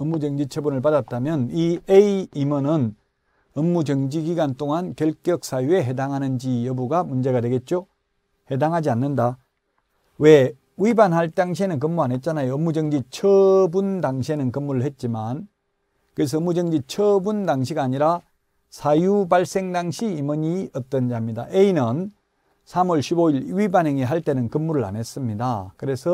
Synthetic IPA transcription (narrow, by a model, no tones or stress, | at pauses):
ʌmːud͡ʑʌŋd͡ʑit͡ɕʰʌbunɯɭpadat̚t͈amjʌnieiimʌnɯn | ʌmːud͡ʑʌŋd͡ʑiɡiɡant͈oŋankjʌɭk͈jʌk̚s͈ajue̞ɦedaŋɦanɯnd͡ʑijʌbuɡamund͡ʑe̞ɣadwe̞ɡe̞t̚t͡ɕ͈o | hedaŋɦad͡ʑianːɯnda | we | uibanɦaɭt͈aŋɕ̬ʰienɯnk̬ɯmːuanɦet̚t͡ɕ͈anajoːmːud͡ʑʌŋd͡ʑit͡ɕʰʌbundaŋɕʰienɯnkɯmːuɾɯɭɦe̞t̚t͡ɕ͈iman | kɯes̬ʰʌːmːud͡ʑʌŋd͡ʑit͡ɕʰʌbundaŋɕʰiɡaːɲiɾa | sʰajubaɭs͈e̞ŋdaŋɕʰiːmʌɲiʌt͈ʌnd͡ʑaɦamɲida̰ʔeinɯn | sʰamuʌɭɕʰiboiɭwibanɦeŋiɦaɭt͈enɯnkɯmːuɾɯɭa̰ne̞s͈ɯmɲida̰kɯɾe̞sʰʌ